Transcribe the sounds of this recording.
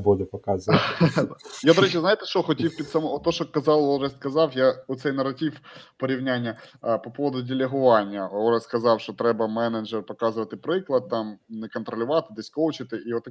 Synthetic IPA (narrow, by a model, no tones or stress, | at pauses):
bolʲɪpɐkazə | jad̪ɐɾɛt͡ɕʲəznajt̪ɛʂt̪oxɐtʲifʲpʲɪt̪ʲsɐmoot̪ːoʂt̪okɐzɑlˠonʐɛskɐzɑfjaʊt̪sʲɛjnɐɾɐtʲifpəɾʲɪvnʲanʲɪjəpɐpo̞vəd̪ʊdʲɪlʲɪɦʊvanʲɪjəoʐəskɐzɑfʂt̪ot̪ɾɛbɐmɛnəd͡ʒəɾpɐkazɨʋɐtʲɪpɾɨklˠɐt̪̚t̪ːamnʲɨkənt̪ɾɐlʲɪvat̪ɨd̪ɨsʲkowt͡ɕɪt̪ɨʔivot̪ː